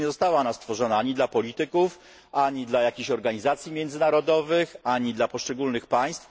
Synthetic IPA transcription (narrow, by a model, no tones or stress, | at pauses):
ɛzɔst̪awanast̪fɔʐɔnaaɲid̪lapɔlʲit̪ɘkuf | ʔaɲid̪lajakʲiɕɔɾɡaɲizat̪sʲjimʲjɛnd̪zɘnaɾɔd̪ɔvɘxaɲid̪lapɔʂt͡ʂɛɡulnɘxpaj̃st̪f